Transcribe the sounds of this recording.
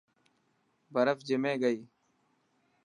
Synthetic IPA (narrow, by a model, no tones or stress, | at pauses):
bəɾəfd͡ʒɪmẽːɡəiː